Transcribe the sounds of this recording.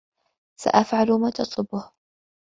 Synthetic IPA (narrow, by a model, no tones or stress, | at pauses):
sa̰ʔafʕalʊmaːt̪ɑsˤʊbʊh